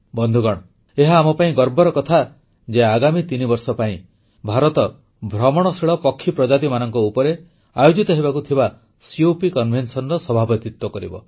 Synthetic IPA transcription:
bɔnd̪ʱuɡɔɽ̃ɔ | eɦaːmɔpaĩɡɔɾbɔɾɔkɔt̪ʰa | d͡ʒeaɡamit̪inibɔɾsɔpaĩ | bʱaɾɔt̪ɔ | bʱɾɔmɔɽ̃ɔsiɭɔpɔkʰːipɾɔd͡ʒat̪imanɔŋkɔupɔɾe | ajod͡ʒit̪ɔɦibakut̪ʰiba | siopikɔnbʱensɔnɾɔsɔbʱabɔt̪it̪wɔkɔɾḭbɔ

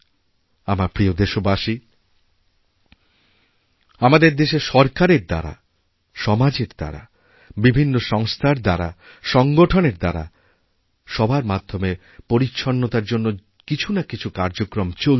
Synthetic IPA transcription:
amaɾpɾiod̪eʃobaʃi | amad̪eɾd̪eʃeʃɔɾkaɾeɾd̪a̰ɾa̰ | ʃɔmad͡ʑeɾd̪̥a̰ɾa̰ | bibʱinːoʃɔŋst̪ʰaɾd̪aɾa̰ | ʃɔŋɡoʈʰoneɾd̪aɾa̰ | ʃɔbʱaɾmad̪ʱːome | poɾiːʃʰonːot̪aɾd͡ʑonːo | kit͡ɕʰunakit͡ɕʰukaɾd͡ʑokɾomt͡ɕo

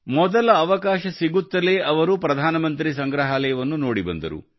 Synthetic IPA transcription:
mɔd̪ɐlɐːʋɐkaːʃɐsiɡut̪ːɐle̞ːɐʋɐɾupɾɐd̪ʱaːnɐmɐnt̪ɾisɐŋɡɾɐɦaːlɐjɐʋɐnːuno̞ːɽibɐ̰nd̪ɐ̰ɾṵ

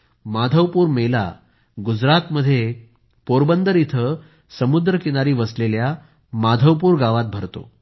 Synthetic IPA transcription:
mad̪ʱəʋpuːɾmela̰ | ɡud͡zɾat̪məd̪ʱːje | poɾbənd̪əɾit̪ʰə | səmud̪ɾəkinaɾiːʋəslelja | mad̪ʱəʋpuːɾɡaʋat̪̚bʱəɾt̪o̰

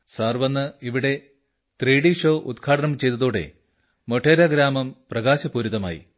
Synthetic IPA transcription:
saːrʋɐnːɨiʋiɽe̞ | t̪riːɽiʂo̞ːʔud̪kʰaːʈɐnɐmt͡ɕe̞jt̪ːɐðoːɽe̞̰ | moʈʰːeːɾaːɡɾaːmɐmprɐɡaːɕɐpuːɾuðɐma̰ːjḭ

